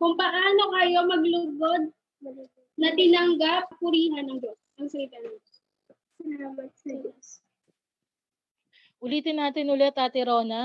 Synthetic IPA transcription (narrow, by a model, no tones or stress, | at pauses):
kʊŋpɐʔaːno̞kɐjo̞mɐɡlʊbod̪̚ | ɐ | nɐt̪ɪnɐŋɡap̚pʊɾiːɦɐnːɐŋd͡ʒos | ɐŋsɐlit̪and͡ʒos | sɐlaːmɐt̪̚sɐd͡ʒos | ʔʊliːt̪ɪnːaːt̪ɪnʊlɛt̪ːaːt̪ɪɾo̞ːnɐ